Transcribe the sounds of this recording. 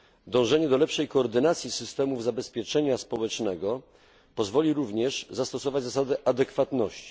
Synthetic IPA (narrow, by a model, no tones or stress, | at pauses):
d̪ɔ̃w̃ʐɛɲɛd̪ɔlɛpʂɛjkɔːɾd̪ɘnat̪sʲjisɘst̪ɛmuvzabɛspʲjɛt͡ʂɛɲaspɔwɛt͡ʂnɛɡɔ | pɔzvɔlʲiɾuvɲɛʐzast̪ɔsɔvad͡ʑzas̬ad̪ɛʔad̪ɛkfat̪nɔɕt͡ɕi̥